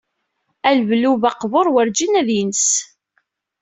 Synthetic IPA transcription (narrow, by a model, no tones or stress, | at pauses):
ælvluvɑqvoɾˤwəɾd͡ʒinæðjənəs